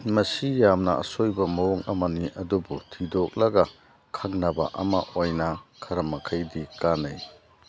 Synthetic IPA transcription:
mɐsijamnɐɐ̰sojbɐmɐoŋɐmɐniʔɐdubutʰidok̚lɐɡɐ | kʰaŋnɐbɐ̰ʔɐmɐʔojnɐkʰɐɾɐmɐkʰajdikanɐj

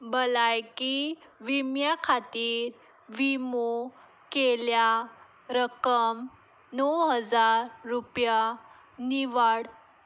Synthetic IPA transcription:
bəlajkiʋimjakʰat̪iːɾ | ʋimo | kelja | ɾəkəm | nɔwɦəd͡zaɾːupja | niʋaɽ

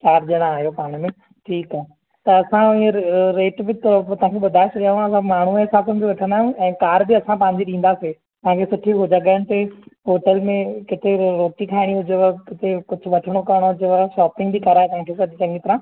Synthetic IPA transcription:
kaːɾʄɪɽ̃aaːɦijopaːɽ̃mẽ | ʈʰiːkaːɦe | t̪ɐɐsãɪeɾeːʈbɪt̪ɐt̪ɐɦãkʰeɓʊd̪ʱaːɪesɐɗaãsãmaːɳ̤uesaːsəmbiʋɐʈʰə̃nd̪aːɦʊ̃ɛ̃ːkaːɾbɪɐsãpɐ̃ɦɪ̃ɲd͡ʑiɗĩːn̆d̪ase | t̪ɐɦãkʰesʊʈʰiɦʊd͡ʑaɡaːɪɽ̃ɪ̆t̪eɦoːʈəlmẽkɪt̪eɾoːʈikʰaːɪɽ̃iɦʊd͡ʑeakɪt̪ekʊd͡ʑʱʊ̆ʋɐʈʰɪɽ̃okɐɾəɽ̃oɦʊd͡ʑeʋaʃaːpɪ̃ŋɡbikɐɾaːɦet̪ɐɦãkʰesɐd͡ʑit͡ɕɐ̃ŋɡit̪ɐɾãː

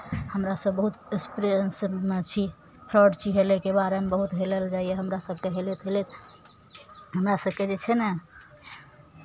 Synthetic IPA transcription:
həmɾasəbːəɦut̪espɾest͡ʃʰi | pʰɾəɖt͡ʃiɦelekebaɾemebəɦut̪ɦeleld͡ʒaijeɦəmɾasəb̚ʱkeɦelet̪ɦelet̪ | ɦəmɾasəb̚ked͡ʒet͡ʃʰɛnɛ

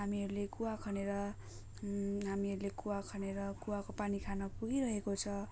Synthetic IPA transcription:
ɦamiʌɾulekuwakʰʌneɾʌ | ɦamiʌɾulekuwakʰʌneɾʌkuwakopanikʰanʌpuɡiɾʌɦekot͡sʰʌ

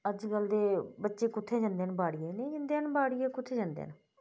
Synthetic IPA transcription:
əd͡ʒɡəld̪eːbətːʃeːkʊt̪ʰːeːd͡ʒãːnd̪eːnbaːɽijeːneːd͡ʒənd̪eːnbaːɽijeːkʊt̪ʰːeːd͡ʒãːnd̪ḛːn

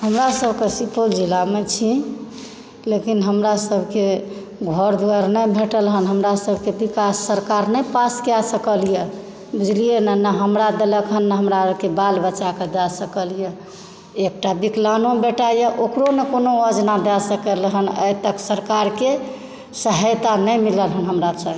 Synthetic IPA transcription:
həmɾasəbʱkesipold͡ʒilamet͡ʃʰi | lekinɦəmɾasəbʱke | ɡʱɔɾd̪uaɾnəbʱeʈəlɦənɦəmɾasəbʱkebikasːəɾkaɾnəjpaskjasəkəlijə | bud͡ʒlijenənəɦəmɾad̪eləkɦənːəɦəmɾaəbkebalbət͡ʃaked̪ɛsəkəlijə | ek̚ʈabiklanõbeʈajəʔokɾonekonoəd͡ʒnad̪ɛsəkəlɦənə̰jt̪əksəɾkaɾke | səɦəjt̪anəjmiləlɦənɦəmɾasəbe

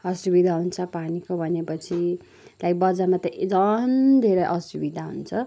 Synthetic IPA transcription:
ʌsubid̪ʱaɦunt͡sʰʌpanikobʱʌnepʌt͡sʰi | lajbʌd͡zamat̪ʌd͡zʌnd̪ʱeɾʌjʔʌsubid̪ʱaɦunt͡sʰʌ

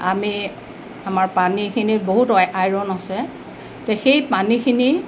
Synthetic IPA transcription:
ami | amaɹpanikʰiniboɦutɔajɹɔnasɛ | tɛxejpanikʰini

